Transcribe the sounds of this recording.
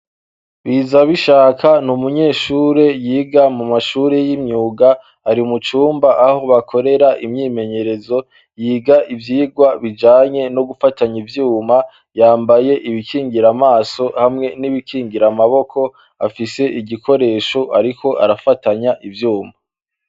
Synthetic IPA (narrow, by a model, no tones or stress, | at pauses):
βizaβiʃaːkʰanumuɲe̞ːʃuːɾe̞jiːɡamumaʃuːɾe̞jimɲuːɡaː | ɾiumut͡ʃuːmbaʔaho̞βakʰo̞ɾe̞ɾaʔimɲiːme̞ɲe̞ɾe̞zo̞ | jiːɡaʔivjiːɡwaβid͡ʒaːɲe̞no̞ɡufataɲivjuːma | jaːmbaje̞ʔiβikiːŋɡiɾamaːso̞hamŋe̞niβikʰiːŋɡiɾamaβo̞kʰo̞ | afise̞ʔiɟikʰo̞ɾe̞ːʃo̞ʔaɾikʰo̞ʔa̰ɾafataɲaʔivjuːma